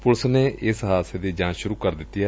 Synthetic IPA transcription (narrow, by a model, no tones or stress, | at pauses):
pʊlsneːɪsɦaːseːd̪iːd͡ʒãːʃʊɾuːkəɾd̪ɪt̪ːɪjaː